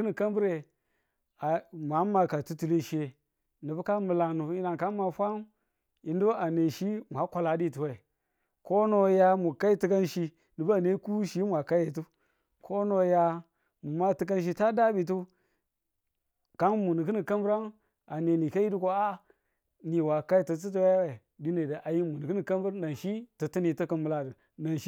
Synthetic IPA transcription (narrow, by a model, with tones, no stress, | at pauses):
ni˨ka˦m˦bɾe˨ | a˨ma˨˦ma˨ka˨tu˦tu˨le˦ʃe˨ | ni˨bu˦ka˦mə˨la˨nu˨i˦na˨ka˦ma˨fʷa˦m˦ | i˨n˦du˦a˨ne˨ʃi˦mʷa˨˦kʷa˨la˨˦di˦˨tu˨we˨ | ko˦no˦ja˦mu˨ka˦i˦ti˦ka˦nʃi˦ | ni˨ba˦˨ne˦ku˦ʃi˦mʷa˨ka˦je˨tu˦ | kʰo˦no˦ja˦ | mu˨ma˦tɨ˦k̬a˦nʃ̬i˦ta˦da˦bi˨t̬u˦ | ka˦nmu˨ni˨kɨ˦ni˨ka˦mbɾa˦n | a˨ne˨ni˨ka˦i˦du˦ko˦a˦ | ni˨wa˨ka˦ji˨tə˨t̬i˦t̬u˦wa˦we˨ | di˦ne˨da˨ʔa˨ji˦mu˨ni˨ki˦ni˨ka˦mbɾa˨n˨ʃi˦tə˨ti˦ni˨tə˦kə˨mu˨la˨də˨ | na˨nʃi˦